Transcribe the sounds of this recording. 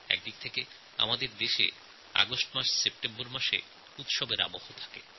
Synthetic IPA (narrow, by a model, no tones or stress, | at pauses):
ɛ̰k̚d̪ik̚t̪ʰeke | a̰mad̪eɾd̪eʃḛ | a̰ɡosʈmaʃsep̚ʈemboɾmaʃḛ | ut̪ʃɔbeɾa̰bohot̪ʰḁke